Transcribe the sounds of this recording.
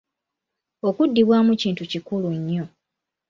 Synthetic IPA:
okudːiβwaːmuciːntucikuluɲːo̞

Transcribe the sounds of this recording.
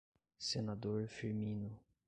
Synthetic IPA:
senad̪oɾfiɾmĩnʊ

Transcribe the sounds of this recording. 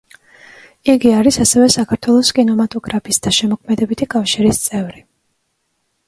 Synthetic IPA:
iɡiaɾisasɛvɛsakʰaɾt̪ʰwɛlˠɔskʼinɔmat̪ʼɔɡɾapʰisd̪̥aʃɛmɔkʰmɛd̪ɛbit̪ʰikʼafʃiɾist̪sʼɛvɾi

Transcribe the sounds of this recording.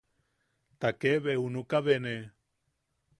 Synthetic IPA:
t̪akeβeunukaβene

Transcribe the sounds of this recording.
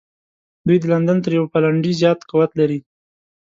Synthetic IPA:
d̪ujd̪əland̪ant̪əɾjawpalaɳɖizjɑt̪qawat̪laɾi

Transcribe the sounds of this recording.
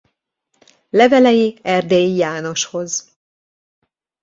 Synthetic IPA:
lɛvɛlɛjiɛrd̪eːjijaːno̞ʃho̞z

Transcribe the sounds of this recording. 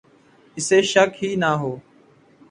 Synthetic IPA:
ɪseːʃəkɦiːnaːɦoː

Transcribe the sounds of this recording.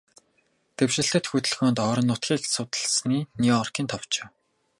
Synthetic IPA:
t̪ewʃɘ̆ɬt̪ɘ̆t̪xut̪ɘ̆ɮxoːnt̪ɔːɾɞ̆nːʊt̪xʲiːksʊt̪ə̆ɮsniːniɔɔrkʲiːnt̪ʰɔwt͡ɕĕː

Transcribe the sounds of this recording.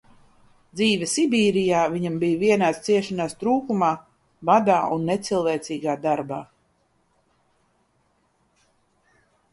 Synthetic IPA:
d̪ziːvʲɛsibiːɾijaːviɲambijviɛnaːst̪siɛʃanaːst̪ɾuːkumaː | vad̪aːʔunːet̪silˠvɛːt̪siːɡaːd̪aɾbaː

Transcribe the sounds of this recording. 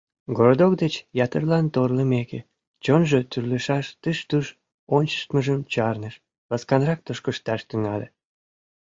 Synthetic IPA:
ɡoɾod̪okd̪et͡ɕjɑt̪ərlɑnt̪orləmeke | t͡ɕonʒət̪yrleʃɑʃt̪ɨʃt̪uʃ | onʲt͡ɕə̥ʃt̪məʒəmt͡ɕɑrnəʃ | βɑskɑnrɑk̚t̪əʃkəʃt̪ɑʃt̪yŋɑlʲe

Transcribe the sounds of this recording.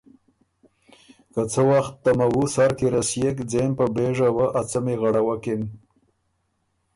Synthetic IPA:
kət͡səwaxt̪ːamawusaɾkiɾasjekd͡zempəbeʐawəʔat͡səmeɣaɽawakem

